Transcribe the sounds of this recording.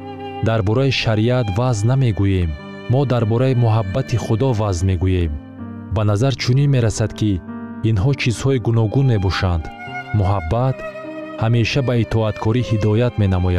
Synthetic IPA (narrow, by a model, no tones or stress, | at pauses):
d̪aɾbɔɾaiʃaɾiat̪vazname̞ɡuje̞mː | ɔd̪aɾbɔɾaimuɦabːat̪ʰiχud̪ɔvazme̞ɡuje̞m | banazaɾt͡ʃʰuninme̞ɾasad̪kʰiːnɦɔt͡ʃʰizhɔiɡunɔɡunme̞bɔʃand̪ | muɦabːat̪hame̞ʃabait̪ʰɔat̪kʰɔɾihid̪ɔjat̪me̞namɔja